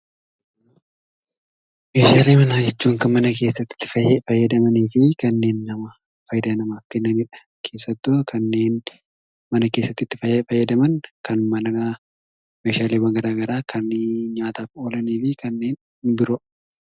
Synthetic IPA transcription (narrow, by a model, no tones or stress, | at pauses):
meːʃaːleːmɐnaːd͡ʒɛt͡ʃːuːŋkɐmɐnɐke̞ːsːɐt̪ːɪ̥t̪ːɪ̥fɐfɐjːɐd̪ɐmɐniːfɪkɐnːe̞ːnːɐmɐ | fɐjd̪ɐnɐmaːfkɛnːɐniːᶑɐ̥ | kʰeːsːɐt̪ːʊkʰɐnːe̞ːn | mɐnɐke̞ːsːɐt̪ːɪt̪ːɪ̥fɐfɐjːɐd̪ɐmɐŋkɐnmɐnɐɐ | meːʃaːleːbɐŋɡɐɾaːɡɐɾaːkʰɐnɪɲaːt̪aːfo̞ːlɐniːfɪkɐnːe̞ːn | bɪɾo